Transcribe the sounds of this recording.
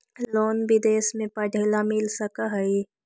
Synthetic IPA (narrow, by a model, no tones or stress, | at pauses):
loːnbɪd̪eːsmẽpəɖʱelamɪlsəkaɦɐi